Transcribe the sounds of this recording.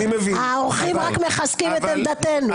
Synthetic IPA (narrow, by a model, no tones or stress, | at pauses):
imeviaooχimʁakmeχaskimet̪emd̪at̪enu